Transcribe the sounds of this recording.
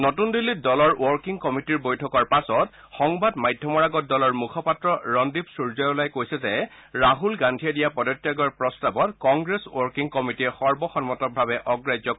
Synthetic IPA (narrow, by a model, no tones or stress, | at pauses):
notundilːit̚dɔlɔɹwɔɹkiŋkɔmitiɹbojtʰɔkɔɹpasɔt | xɔŋbadmajdʱjɔmɔɹaɡɔt̚dɔlɔɹmukʰɔpatɹɔɹɔndibsuɹzɔjɔlajkojsɛzɛ | ɹaɦulɡandʱiɛdijapɔdɔtːiaɡɔɹpɹɔstabɔtkɔŋɡɹeswɔɹkiŋkɔmitiɛxɔɹbɔxɔnmɔtɔk̚bʱabɛʔɔɡɹajzɔk